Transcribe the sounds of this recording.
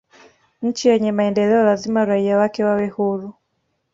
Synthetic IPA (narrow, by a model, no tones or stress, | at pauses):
ɲ̩t͡ʃijɛɲɛmaɛndɛlɛɔlazimaɾaiawakɛwawɛhuɾu